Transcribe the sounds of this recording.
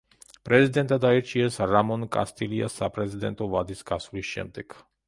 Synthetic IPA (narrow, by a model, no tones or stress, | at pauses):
pɾɛzid̪ɛnt̪ad̪aɛɾt͡ʃiɛsɾamɔnkʼa̰st̪ilia̰sapɾɛzid̪ɛ̰nt̪ɔvad̪iskasuliʃɛ̰mt̪ɛk